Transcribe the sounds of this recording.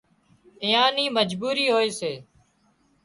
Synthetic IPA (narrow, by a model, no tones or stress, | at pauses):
ɪjãːniːməd͡ʒbuːɾiːɦoːeːseː